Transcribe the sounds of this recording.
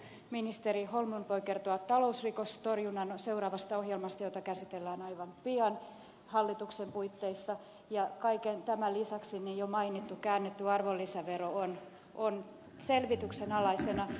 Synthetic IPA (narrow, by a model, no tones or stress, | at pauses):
minist̪eriholmunʋoikert̪oɑt̪tɑlousrikost̪orjunːɑnoseurɑːʋɑst̪ɑohjelmɑst̪ɑjot̪ɑkæsit̪elːæːnɑiʋɑmpiɑn | hɑlːit̪uksempuit̪ːeisːɑ | jɑkɑikent̪æmælisɑksinijjomɑinit̪ːukæːnːet̪ːyɑrʋolːisæʋeroon | on | selʋit̪yksenɑlɑisenɑ